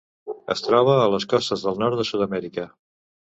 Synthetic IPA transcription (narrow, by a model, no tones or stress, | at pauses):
ə̰st̪ɾɔβ̞əːləskɔst̪əzðəlˠnɔɾt̪d̪əsud̪əmɛɾikə